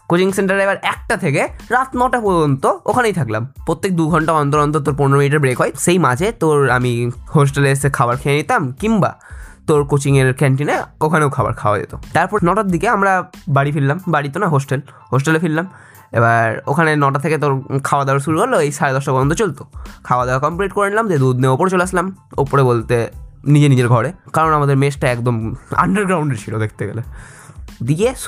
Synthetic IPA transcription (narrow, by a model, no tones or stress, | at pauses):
kot͡ɕiŋseɳʈaɾebaɾɛk̚ʈat̪ʰekeɾat̪nɔʈapoɾd͡ʑont̪ookʰanejt̪ʰakla̰mpɾot̪ːek̚d̪uɡʱɔɳʈaɔnt̪oɾɔnt̪̬oɾt̪̬oɾp̬uneɾomiʈ̬aɾbɾekɦɔeʃejmad͡ʑʱet̪oɾamihos̬ʈelesekʰabaɾkʰejenit̪amkimba̰t̪oɾkot͡ɕiŋeɾkɛɳʈineokʰanewkʰaba̰ɾkʰaoa̰d͡ʑḛt̪ot̪aɾpɔɾnɔʈaɾ̚d̪ʱikeamɾabaɽifilːambaɽit̪onaɦosʈel | ɦos̬ʈelefillam | ebaɾokʰanenɔʈat̪ʰeket̪oɾkʰaoad̪aaɾʃuɾukoɾloejʃaɾed̪ɔʃabɔd̪ond̪ʱot͡ɕolt̪okʰaoad̪aakɔmpɾiʈ̚koɾenlamd͡ʑed̪ud̪neopoɾet͡ɕoleaslamo̰poɾebolt̪enid͡ʑenid͡ʑeɾɡʱɔɽekaɾonamad̪eɾmesʈaɛkd̪oma̰ɳɖəɾɡɾawɳɖeɾt͡ɕʰilod̪ekʰt̪eɡḛle | d̪ike